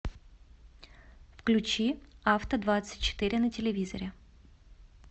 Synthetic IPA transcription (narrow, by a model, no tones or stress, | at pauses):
fklʲʉt͡ɕiaft̪əd̪vat̪sɨ̥t̚ʲt͡ɕːɪ̥t̪ɨɾʲɪnətʲɪlʲɪvʲizə̰ɾʲɪ